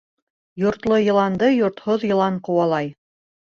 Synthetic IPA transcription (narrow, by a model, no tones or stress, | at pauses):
jŏɾt̪lˠɤjɤ̆lˠɑnd̪ɤjŏɾt̪hoðjɤ̆lˠɑɴqŏwɑlˠɑj